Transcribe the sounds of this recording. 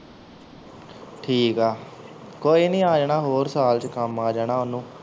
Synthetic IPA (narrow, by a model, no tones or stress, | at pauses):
ʈʰiːkaː | koːiːnĩːaːd͡ʒɳaːɦoːɾsaːlt͡ʃkəmaːd͡ʒaːnaːʊnːũː